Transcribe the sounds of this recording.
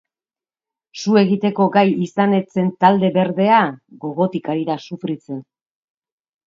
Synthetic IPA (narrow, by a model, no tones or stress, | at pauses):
sue̞ɣit̪e̞ko̞ɡajisane̞t͡se̞nt̪ald̪e̞βe̞ɾðe̞aɣo̞ɣo̞t̪ikaɾiɾasufɾit͡se̞n